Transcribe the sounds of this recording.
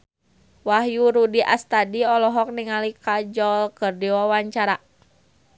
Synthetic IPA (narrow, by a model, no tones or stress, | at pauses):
waɦjuɾudiʔa̰st̪adiɔlɔɦɔk̚niŋalikad͡ʒɔlkɨrdiwawaɲt͡ʃaɾa